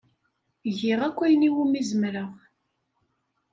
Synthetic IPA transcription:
ʝɪʁækʷːæjniwumizəmɾəʁ

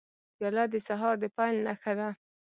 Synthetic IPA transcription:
jɑlɑd̪əsaɦɑɾd̪əpɑjlnaxad̪a

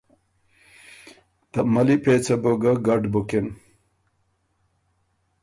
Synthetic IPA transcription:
t̪ɐmɐlipeːt͡sɐboɡɐɡɐɖbukin

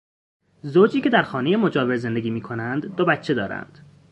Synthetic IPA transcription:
zoːd͡ʒiːcʲʰe̞d̪æɾxɒːnejemo̞d͡ʒɒːveɾze̞nd̪eɡʲiːmiːkʰo̞nænd̪ːobæt̪t͡ʃʰːe̞d̪ɒːɾæ̰nd̪̥

